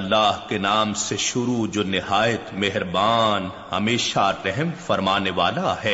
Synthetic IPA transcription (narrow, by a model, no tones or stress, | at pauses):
ɐlːaːɦkenaːmseʃʊɾud͡ʒoːnɪhaːjət̪meɦɾbaːn | hɐ̰meːʃaɾɛɦmfɐɾmaːneʋaːlaɦɛː